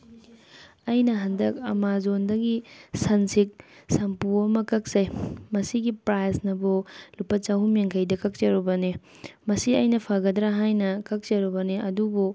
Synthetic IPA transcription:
ɐjnɐɦɐndɐk̚ɐ̰mazondɐɡisɐnsik̚sɐmpuɐmɐkɐk̚sejmɐsiɡipɾajsnɐbolupːɐt͡ʃawɦumjeŋkʰɐjdɐkɐk̚t͡ʃɐɾubɐni | mɐsiɐjnɐpʰaɡɐdɾaɦajnɐkɐk̚t͡ʃɐɾubɐniɐdubu

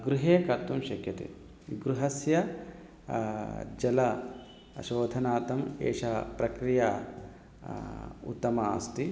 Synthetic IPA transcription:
ɡɾuɦeːkɐt̪ːumʃɐkjɐt̪ḛ | ɡɾuɦɐsjɐ | d͡ʒɐlɐ | ʃoːd̪ʱɐnaːt̪ɐmḛːʂɐpɾɐkɾijaː | ṵt̪ːɐmaːst̪i

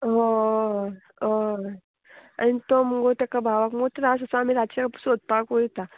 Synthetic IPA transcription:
ɦo | o | a̰nit̪oməɡot̪jakabʱaʋakməot̪əɾasəsəam̤iɾat͡ɕakpsod̪̚pakɦojt̪a

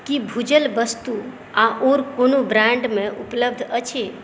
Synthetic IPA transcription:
kibʱud͡ʒəlbəst̪u | aʔoɾkonobɾãɳɖmẽʔupləbd̪ʱət͡ʃʰe

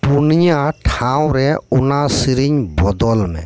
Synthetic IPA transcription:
punijaʈʰãwɾɛunasiɾiɲbɔd̪ɔlmɛ̃

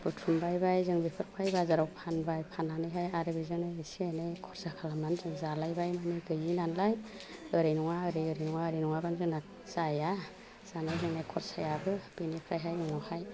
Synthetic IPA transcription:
b̥ɯtʰumbajbajzɯŋbepʰɯɾpʰajbazaɾawpʰanbajpʰananɯjɦajaɾɯbizɯŋnajisiajnajkʰɔɾsakʰalamanzɯŋzalajbajmanɯɡɯjinanlaj | ɯɾɯjnuŋaɯɾɯjɯɾɯjnuŋaɯɾɯjnuŋabanzɯŋna | zaja | z̥anajzɯŋnajkʰɔɾsajabɯb̥inipʰɾajɦajɔŋɔhaj

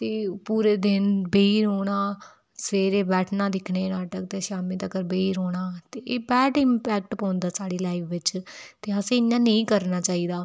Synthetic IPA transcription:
t̪eːpuːɾeːd̪ɪnbeːiːɾoːɽaː | səʋeːɾeːbɛːʈʰnãːd̪ɪkʰneːnaːʈək̚t̪eːʃaːmeːt̪əkəɾbeːiːɾoːɽ̃aːt̪eːʔeːbɛːɖɪmpɛːk̚ʈpãːnd̪aːsaːɽiːlaːipʰʋɪt͡ʃt̪eːəsẽːɪɲːãːnẽĩːkəɾnaːt͡ʃaːiːd̪aː

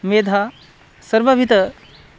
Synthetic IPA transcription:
med̪ʱa | səɾʋabʱit̪ə

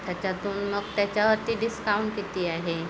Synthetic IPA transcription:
t̪jat͡ɕat̪uːnməɡ̚t̪jat͡ɕjaʋəɾt̪iːɖiskauɳʈkit̪iːaɦe

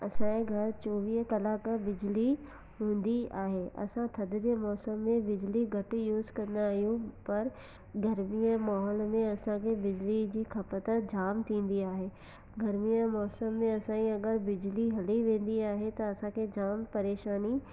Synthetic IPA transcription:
ɐsãẽɡʱɐɾt͡ɕoːʋiːɦkɐlaːkbɪd͡ʑli | ɦũːn̆d̪iaːɦeɐ̰sãt̪ʰɐd̪ʊd͡ʑemɔːsəmːẽbɪd͡ʑliɡʱɐʈjuːzkɐ̃nd̪aːɦijũpɐɾ | ɡɐɾmijəmaːɦɔːlmẽɐsãkʰebɪd͡ʑlid͡ʑiːkʰɐpət̪əd͡ʑaːmt̪ʰĩːn̆d̪iaːɦeː | ɡɐɾmijəmɔːsəmːẽɐsãːĩɐɡəɾbɪd͡ʑliɦɐliʋẽːn̆d̪iaːɦet̪ɐɐsãkʰeːd͡ʑaːmpɐɾeːʃaːni

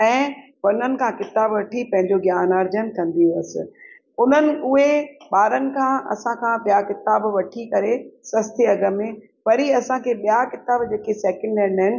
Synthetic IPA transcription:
ɛ̃ː | ʋɐn̤ənɪ̆kʰãkɪt̪aːbʋɐʈʰipɐ̃ɦɪ̃ɲd͡ʑoɡjaːnəɾd͡ʑənkɐ̃nd̪iuɐsɪ̰̆ | ʊn̤ənɪ̆ʔʊɦeɓaːɾənɪ̆kʰãːʔɐ̰sãkʰãɓijakɪt̪aːbʋɐʈʰikɐɾesɐst̪ʰeɐɡəmẽ | pɐɾiɐsãkʰeːɓijakɪt̪aːbd͡ʑeːkesɛːkə̃ɳɖanɦɪnɪ̆

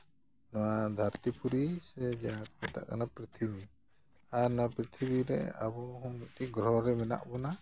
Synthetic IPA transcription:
nɔwad̪ʱaɾt̪ipuɾisɛd͡ʒapkɛt̪a̰ʔkanapɾit̪ʰibi | aɾnapɾit̪ʰiβiɾɛ̰a̰bɔɦɔŋmit̪iʔɡɾɔɦɾɛmɛna̰ʔbɔna

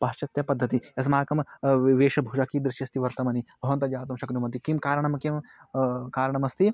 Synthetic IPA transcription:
pɐt͡ʃɐt̪jɐpɐd̪ʱːɐt̪iɐs̬maːkɐmʋeːʃɐbʱuːd͡ʒakiːd̪ɾɪʃjɐst̪iʋɐɾt̪ɐmɐnibʱɐʋɐnt̪ɐd͡ʒaːt̪̬ɐmʃɐknumɐnt̪ikimkaːɾɐɳ̃ɐmɐkim | kaːɾɐɳ̃ɐmɐst̪ʰi

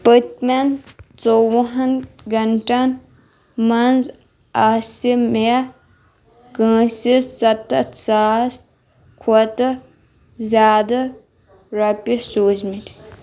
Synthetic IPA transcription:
pət̪ment͡sowɦɐnɡɐɳʈɐn | mɐnz | aːsime | kə̃ːsisɐt̪ɐt̪saːs | kʰɐt̪ɐ | zʲaːd̪ɐ | ɾɐpisoːzmit̪

